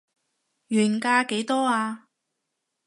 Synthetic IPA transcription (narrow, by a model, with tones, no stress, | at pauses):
ɥyː˨˩nkaː˧ke˨˥jt̪ɔː˥aː˧